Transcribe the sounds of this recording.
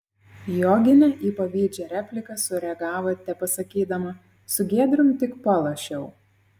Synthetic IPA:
joːɡʲɪnʲɛʔiːpɐʋʲiːd͡ʒʲɛɾʲæːpʲlʲɪkɐsʊɾʲɛɐɡɑːʋɐt̪ʲɛpɐsɐkʲiːd̪ɐmɐ | sʊɡʲeɛd̪ʲɾʲʊmt̪ʲɪkpɐlˠɐʃʲɛʊ

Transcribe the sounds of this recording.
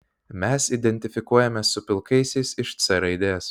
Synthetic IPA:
mʲɛsid̪ʲɛnʲt̪ʲɪfʲɪkuɔjɛmʲɛsʊpʲɪlˠkɐɪsʲɛɪsɪʃt̪sʲɛɾɐɪd̪ʲeːjɛs

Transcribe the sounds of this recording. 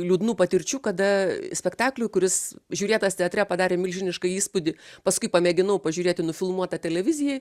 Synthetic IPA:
lʲuːd̪nuːpɐt̪ʲɪɾʲt͡ʃʲuːkɐd̪ɐsʲpʲɛkt̪ɑːklʲʊkʊɾʲɪsʒʲuːɾʲeːt̪ɐst̪ʲɛɐt̪ʲɾʲɛpɐd̪ɑːɾʲeːmʲɪlʲʒʲɪnʲɪʃkɐiːspʊd̪ʲɪpɐskʊɪpɐmʲɛːɡʲɪnɐʊpɐʒʲuːɾʲeːt̪ʲɪnʊfʲɪlˠmuɔt̪ɐt̪ʲɛlʲɛʋʲɪzʲɪjɛj

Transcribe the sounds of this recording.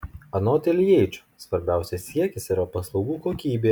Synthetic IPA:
ɐnoːt̪ʲelʲjɛɪt͡ʃʲʊ̥sʋɐɾʲbʲæˑʊsʲɛsʲiɛkʲɪsiɾɐpɐslˠɒʊɡuːkoːkʲiːbʲeː

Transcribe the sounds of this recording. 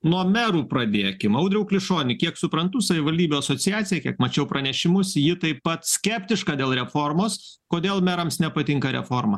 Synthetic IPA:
nuɔmʲæɾuːpɾɐd̪ʲeːkʲɪmɐʊd̪ʲɾʲɛʊklʲɪʃoːnʲɪkʲiɛksʊpɾɐnt̪ʊsɐʋʲɪʋɐlʲd̪ʲiːbʲuːɐsoːt͡s̪ʲɪjæːsʲɪjɛkʲiɛkmɐt͡ʃʲɛʊpɾʔɐnʲɛʃʲɪmʊsjɪt̪ɐɪppɐt̪sʲkʲæpʲt̪ʲɪʃkɑːd̪ʲeːlˠɾʲɛfoːrmoːs | koːd̪ʲeːlˠmʲɛɾɐmsnʲɛpɐt̪ʲɪŋkɐɾʲɛ̰foːɾmɐ̰

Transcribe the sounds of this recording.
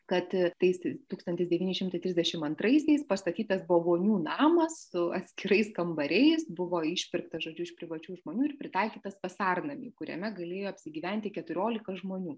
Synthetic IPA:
kɐt̪t̪ɐɪst̪uːkst̪ɐnʲt̪ʲɪsd̪ʲɛʋʲiːnʲɪʃʲɪmt̪ɐɪt̪ɾʲɪzʲd̪ʲɛʃʲɪmɐnt̪ɾɐɪsʲɛɪspɐst̪ɐt̪ʲiːt̪ɐsboːʋoːnʲuːnɑːmɐssʊɐt̪ʲsʲkʲɪɾɐɪskɐmbɐɾʲɛɪsbʊʋoːɪʃʲpʲɪɾkt̪ɐʒoːd͡ʒʲʊɪʃpʲɾʲɪʋɐt͡ʃʲuːʒmoːnʲuːɪɾpʲɾʲɪt̪ɑɪkʲiːt̪ɐsʋɐsɑːrnɐmʲḭːkʊɾʲɛ̰mʲɛɡɐlʲeːjoːɐpʲsʲɪɡʲiːʋʲæˑnʲt̪ʲɪkʲɛt̪ʊɾʲoːlʲɪkɐʒmoːnʲuː

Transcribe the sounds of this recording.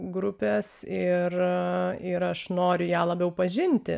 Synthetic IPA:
ɡɾʊpʲeːsɪr | ɪɾɐʃnoːɾʲʊjæːlˠɐbʲɛʊpɐʒʲɪnʲt̪ʲɪ̰

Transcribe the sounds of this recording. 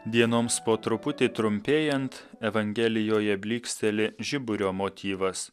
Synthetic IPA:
d̪ʲiɛnoːmspoːt̪ɾʊpʊt̪ʲɪt̪ɾʊmʲpʲeːjɛnt̪ | ɛʋɐŋʲɡʲɛlʲɪjoːjɛbʲlʲiːksʲt̪ʲɛlʲɪʒʲɪbʊɾʲoːmoːt̪ʲiːʋɐs

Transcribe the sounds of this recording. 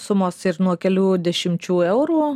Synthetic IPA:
sʊmoːsɪɾnuɔkʲɛlʲuːd̪ʲɛʃʲɪmʲt͡ʃʲuːɛʊɾuː

